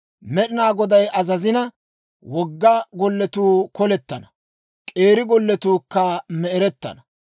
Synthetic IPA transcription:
mɛɗɪnaːɡɔd̪ɐjʔɐzɐzɪnɐ | wɔɡːɐɡɔlːɛt̪uːkɔlɛt̪ːɐnɐ | kʼe̞ːɾɪɡɔlːɛt̪uːkːɐmɛɛɾɛt̪ːɐ̰nɐ

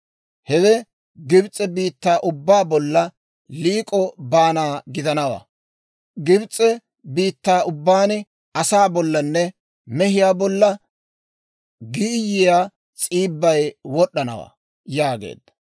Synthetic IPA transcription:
hɛdɛ | ɡɪbt͡sʼːɛbiːt̪ːaːʔʊbːaːbɔlːɐ | liːkʼɔbaːnaːɡɪd̪ɐnɐwa̰ː | ɡɪbt͡sʼːɛ | biːt̪ːaːʊbːaːn | ɐsaːbɔlːɐnːɛ | mɛɦɪjaːbɔlːɐ | ɡɪjːɪjaː | t͡sʼiːbːɐjwɔɗːɐnɐ̰wa̰ː | jaːɡḛːd̪̥ːɐ̥

